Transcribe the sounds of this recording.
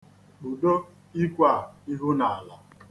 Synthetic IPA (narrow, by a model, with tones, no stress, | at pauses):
k͡pu˨do˦ | i˦kʷa˨i˦ɦu˦na˨a˨la˨